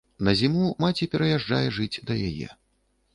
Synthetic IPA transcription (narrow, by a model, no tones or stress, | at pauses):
nɐzʲimumat͡sʲipʲɛɾɐjaʐd͡ʐa̰jɛʐɨt͡sʲd̪ɐjajɛ̰